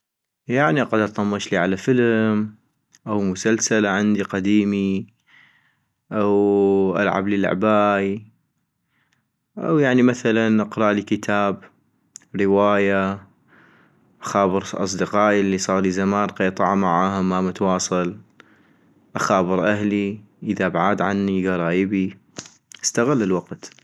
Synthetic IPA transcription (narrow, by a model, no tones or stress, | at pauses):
jaʕniqad̪ʔɑt̪ˤɑmːɑʃliːʕalafəlm | ʔawmʊsalsalaʕɪnd̪iqad̪iːmi | ʔawʔa̰lʕa̰blil̰ʕ̰baːʔi | ʔa̰wjaʕnimaθalanʔɑqɾˤɑʔlikət̪ʰaːb | ɾɪwaːja | ʔaxaːbɨɾʔɑ̰sˤd̪ɪqɑːʔilːisˤɑːɾˤlizamaːnqɑjt̪ˤɑʕamaʕaːhamːamʊt̪wɑːsˤɨl | ʔaxaːbɨɾˤʔaɦli | ʔəðabʕaːd̪ʕanːiɡɑɾˤɑːjəbi | ʔast̪aɣalːɪlwaqt̪